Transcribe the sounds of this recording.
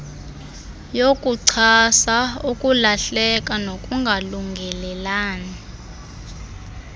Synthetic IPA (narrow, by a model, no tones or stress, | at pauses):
jokʼuǀʰasaukʼulaɬɛk̬ʼanokʼuŋɡʱaluŋɡʱɛlɛlaːni